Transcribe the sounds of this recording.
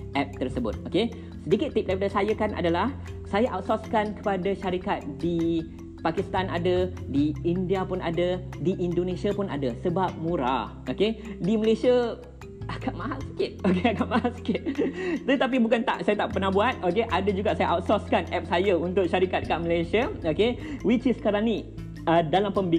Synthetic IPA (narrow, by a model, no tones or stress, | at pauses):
ʔɛp̚t̪ərsəbʊ̰t̪̚oke | sədikɪt̪ːip̚daɾipadasajəkanʔa̰dalahsajaʔawt̪̚sɔskankə̥padaʃaɾikat̪̚di | pakist̪ana̰dədiindiapʊna̰də | diʔindonẽsiapʊna̰dasəbap̚mũɾa̰ | okediməlesia | akaʔ̚maɦaskɪt̪̚okeakatmãɦaskɪt̪̚dt̪ap̬ibukant̪a̰ʔsajat̪aʔpərnahbuat̪̚okeʔadəd͡ʒuɡaʔsajaʔawt̪̚sɔskanɛp̚sajəunt̪ʊk̚ʃaɾikat̪̚kaʔ̚məlasiaokewit͡ʃisə̥kaɾaŋni | ədalampəmbi